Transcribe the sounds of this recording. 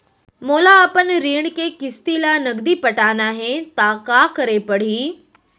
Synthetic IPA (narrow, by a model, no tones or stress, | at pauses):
moːlaːpənɾiːɽ̃keːkɪst̪ilaːnɐɡd̪ipɐʈaːnaːɦet̪aːkaːkɐɾepɐɽ̤iː